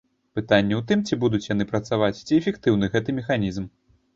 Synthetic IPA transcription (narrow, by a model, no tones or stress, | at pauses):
pɨt̪anʲːɛwt̪ɨmt͡sʲibud̪ut͡sʲjanɨpɾɐt̪savat͡sʲt͡sʲiɛfʲɛkt̪ɨwn̪ɨɣɛt̪ɨmʲɛxanʲizm